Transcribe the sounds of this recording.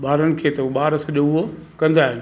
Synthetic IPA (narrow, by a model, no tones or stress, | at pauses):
ɓaːɾənɪ̆kʰeːt̪ɐɓaːɾəsɐʄoʊɦokɐ̃nd̪aːɦɪnɪ̆